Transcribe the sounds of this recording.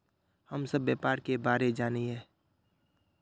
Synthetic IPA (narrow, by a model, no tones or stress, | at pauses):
həmsəbːjeːpaːɾkebaːɾed͡ʒaːniɦɛ̃ː